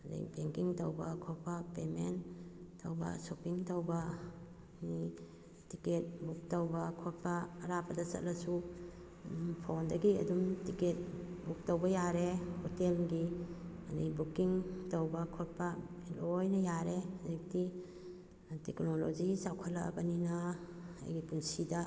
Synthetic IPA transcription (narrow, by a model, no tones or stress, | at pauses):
da̰jbeŋkiŋtɐwbɐkʰɔɾpapementʰːɐwbɐ̰sopiŋtɐwbɐ | ni | tiket̚buk̚tɐwbɐkʰoɾ̚paːɾapɐdɐsɐ̰t̚lɐsu | pʰondɐɡiɐ̰dumtiket̚buk̚tɐwbɐjaɾehotelɡi | ɐ̰nḭbukiŋtɐwbɐkʰot̚pa | ilojnɐjaɾezik̚ti | teknolod͡ʒisawkʰɐlɐ̰bɐnina | a̰jɡipuŋsida